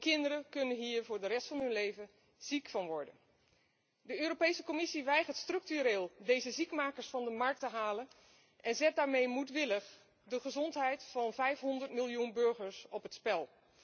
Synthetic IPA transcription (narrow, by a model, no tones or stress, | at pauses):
kɪndəɾəkɵnənɦiːɹvʊːɹdərɛstfɑnɦɵnlejvə | z̥ikfɑnʋɔɹdən | dəøːɾopejsəkomɪsiʋɛjχəɹtstrɵk̚tyɾeːlˠdejzəzikmaːkəɹsfɑndəmɑɹk̚təɦaːlən | ʔɛnzɛt̚daːɹmejmutʋɪləχ | dəχəzɔntɦɛjtfɑnvɛjfɦɔndəɹtmilˠjunbɵɹχəɹsɔpɦətspɛlˠ